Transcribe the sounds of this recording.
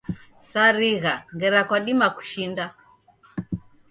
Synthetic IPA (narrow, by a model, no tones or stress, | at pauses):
saɾiɣaŋɡɛɾakwaɗimaku̥ʃinda